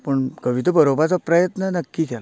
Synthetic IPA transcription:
pəɳkəʋit̪əbəɾobat͡sapɾəjət̪nənəkːikʰɛla

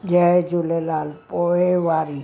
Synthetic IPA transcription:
jæet̪ulelɑlpoeʋɑri

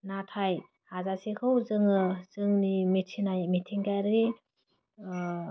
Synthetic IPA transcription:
natʰaj | hazasikʰɯwzɯŋɯz̥ɯŋnimitʰinajmitʰiŋkajɾi

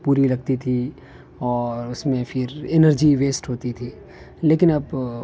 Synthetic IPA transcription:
puːɾilɐɡ̚t̪it̪ʰi | ɔːɾʊsmẽfʰɪɾɪnəɾd͡ʒiʋeːsʈɦoːt̪it̪ʰiː | leːkɪnɐb

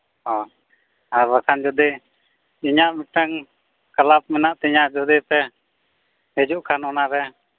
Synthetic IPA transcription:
ɦɔ | aɾbakʰand͡ʒɔd̪i | iɲaʔmuʈɛŋ | kalap̚mɛnaʔt̪ɛɲad͡ʒɔd̪ipɛ | ɛd͡ʒuʔkʰanɔnaɾɛ

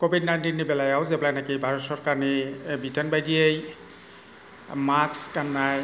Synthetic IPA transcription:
kobʱidnajntinːibɛlajawzɛplajnakibʱaɹɔtsɔɹkaɹnibʱitənbajdiej | makskanːaj

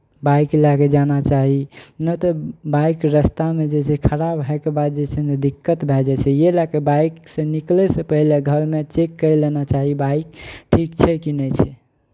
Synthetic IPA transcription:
bajklaked͡ʒanat͡ʃaɦinət̪ɔbajkɾəst̪amed͡ʒet͡ʃʰɛkʰəɾabɦɛkebad̪̚d͡ʒet͡ʃʰɛnəd̪ikːət̪bʱɛd͡ʒɛt͡ʃʰɛjelakebajksə̃niklɛsə̃pəɦileɡʱəɾmet͡ʃekːəjlenat͡ʃaɦibaikʈʰikt͡ʃʰɛkinɛt͡ʃʰɛ

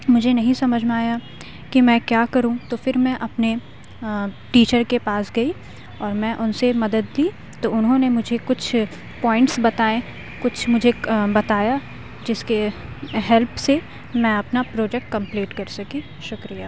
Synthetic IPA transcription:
mʊd͡ʒʱenɐɦĩsɐməd͡ʒʱmẽaːja | kimɛ̃ːkjaːkɐɾũt̪oːfɪɾmɛ̃ʔɐpne | ʈiːt͡ʃəɾkepaːsɡɐi | ɔːɾmɛ̃ːʔʊnsemɐd̪əd̪liː | t̪oʊnɦõnemʊd͡ʒʱekʊt͡ʃʰ | pɔːɪ̃ɳʈsbɐt̪aːẽ | kʊt͡ʃʰmʊd͡ʒʱebɐt̪aːja | d͡ʒɪskeɦɛlpse | mɛ̃ɐpnapɾoːd͡ʒɛk̚ʈ̚kɐ̃mpliːʈkɐɾsɐki | ʃʊkɾijaː

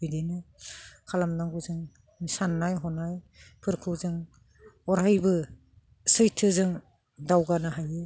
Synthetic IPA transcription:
idenɯkʰalamdaŋɡuzɯŋ | sanːajɦɔnaj | pʰɯɾkʰɯzɯŋ | ɔɾɦajbɯ | sɯjtʰɯzɯŋ | dawɡanɯɦajɯ

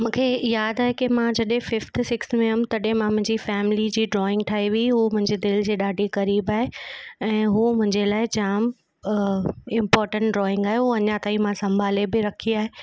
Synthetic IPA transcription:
mũːkʰejaːd̪aːɦekɪmãd͡ʑɐɗẽfɪft̪ʰsɪksmẽɐmt̪ɐɗẽmãmʊ̃ɦɪ̃ɲd͡ʑifɛːmɪlid͡ʑiːɖɾɔːɪ̃ŋɡ̚ʈʰaːɦiʋiiɦuːmʊ̃ɦɪ̃ɲd͡ʑed̪ɪld͡ʑeːɗaːɖʱikɐɾiːbaːɦeɛ̃ːɦuːmʊ̃ɦɪ̃ɲd͡ʑelaːɪd͡ʑaːm | ɪ̃mpɔːɾʈə̃ɳʈ̚ɖɾɔːɪ̃ŋɡaːɦeɦuɐɲãt̪aːĩmãsɐ̃mbʱaːlebɪɾɐkʰiaːɦeː

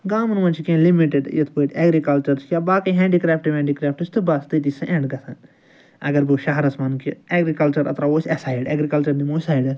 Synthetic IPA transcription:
ɡaːmnmɐnt͡ʃʰikẽlimiʈeɖjet̪ʰpoːiʈɛːɡɾikɐlt͡ʃɐɾskjaːbaːkɐɦɛ̃ːɳɖikɾaːpʈiʋɛ̃ːɳɖikɾaːp̚ʈɨsʲt̪ɨbɐst̪ɨt̪̬isɐ̃ʔẽɳɖɡɐsʰɐ̃ | ɐɡɐɾbuːʃɐɦɐɾɐsmaːnkieɡɾikɐlt͡ʃɐɾɐ̰t̪ɾaoːsʲɛsaːjiɖeːɡɾikɐlt͡ʃɐɾd̪imoːsaːjiɖɐɾ

